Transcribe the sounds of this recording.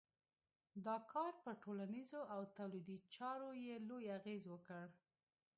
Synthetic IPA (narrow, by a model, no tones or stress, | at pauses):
d̪ɑkʰɑɾpəʈolanizoawt̪awlid̪it͡ʃɑɾojelojaɣezwəkəɽ